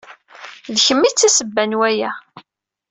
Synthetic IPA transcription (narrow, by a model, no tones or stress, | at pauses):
ðçəmːit͡sːæsəbːænwæjæ